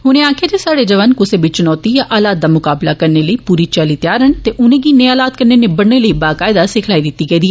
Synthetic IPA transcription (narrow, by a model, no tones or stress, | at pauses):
ɦʊnẽːaːkʰeːd͡ʒ̪esaːɽeːd͡ʒəʋənkʊseːbɪt͡ʃt͡ʃʊnɔːt̪iːjaʔaːlaːt̪̚d̪aːmʊkaːblaːkəɾneːləiːpuːɾiːt͡ʃaliːt̪jaːɾəɳt̪eːʔʊnẽːɡiːnẽːaːlaːt̪̚kəɾneːnebəɽneːləiːbaːkaːɪd̪aːsɪkʰlaːiːd̪ɪt̪ːiːɡəːd̪iɛː